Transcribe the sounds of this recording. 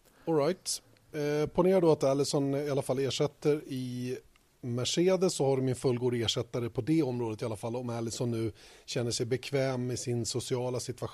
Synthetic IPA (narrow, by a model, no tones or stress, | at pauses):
ɔlɾajt̪ | pʰɔneːɾaɖɵat̪ɛlːɪsɔnɪalːafalːeːʂɛt̪ːəɾɪ | mæʂeːd̪əssːɔhaɖɵmɪnfɵlɡuːd̪aeːʂɛt̪ːaɾəpʰɔd̪ɛɔmːɾoːd̪ət̪ɪalafalːɔmɛlːɪsɔnːʉ̟ːɕɛnːəʂɛjbɛkʰvɛːmɪsɪnsʊsɪɑːlasɪt̪vaɧ